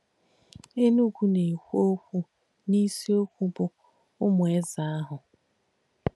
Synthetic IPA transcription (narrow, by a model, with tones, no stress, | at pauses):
e˦nu˦ɡʷu˨ne˨kʷo˦kʷu˦ | ni˦si˦o˦kʷu˦bʊ˨ | ʊ˦mʊ˨e˦za˨a˦ɦʊ˨